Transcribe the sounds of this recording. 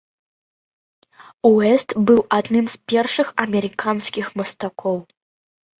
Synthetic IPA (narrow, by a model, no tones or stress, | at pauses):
uɛst̪bɨwʔad̪nɨmspʲɛrʂɨxɐmʲɛɾɨkanskʲixmɐst̪akʰɔw